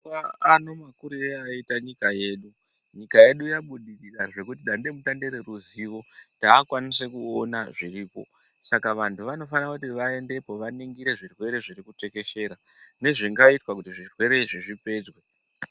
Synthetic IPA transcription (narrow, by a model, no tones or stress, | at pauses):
aano̞makuɾieaitaɲikaje̞ːɗu | ɲikaje̞ɗujaɓuɗiriraʐe̞kutiɗande̞mutande̞ɾe̞ɾuziːʋo̞taːkwanisekuonaʐiriːpo̞̰ | sakaʋantʰuʋano̞fanakutiʋae̞nde̞po̞ʋaniŋɡiɾe̞ʐirwe̞ɾe̞ʐirikute̞ke̞ʃe̞ːɾa | ne̞ʐiŋɡaitwakutiʐirwe̞ɾe̞iʐiʐipe̞d͡zwe